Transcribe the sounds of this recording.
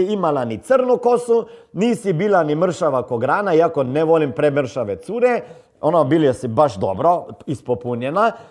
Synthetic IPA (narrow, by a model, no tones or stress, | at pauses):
imalanit̪sərnukosuniːsibiːlanimr̩ʃaʋakoɡɾaːnaiakoneʋolimpɾemr̩ʃaʋet̪suːɾe | onabiljesibaʃd̪o̰bɾoispopuɲena